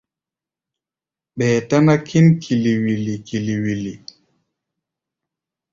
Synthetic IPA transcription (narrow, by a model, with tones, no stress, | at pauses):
ɓɛː˨ta˦na˦kʰi˦nkʰi˨li˨wi˨li˨ki˨li˨wi˨li˨